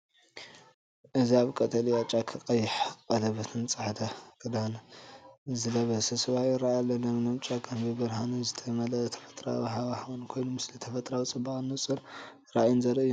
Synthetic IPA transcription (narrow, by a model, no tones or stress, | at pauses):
ʔɨziaβkʼɐt̪ʼɐlijat͡ʃʼakʰɨqʼɐjːɪħqʼɐlɐβɐt̪ʰɨnt͡sʼɨħd̪ʰakʰɨd̪an | zɨlɐβɐsɐsɨβajɾaajalːɐnɐmnɐmt͡ʃʼakʰʼɐnbɨbɨɾɦanɐzɨt̪ʰɐmɐlɐt̪ʰɐ̥fɐ̥t̪ʼɾa̰bɦaβahawɨnkʰo̞jnumɨslit̪ʰɐfɐt̪ʼɾawit͡sʼɨbaχʼɨnːɨt͡sʼɨɾ | ɾaʔajunzɐɾɐɨjːu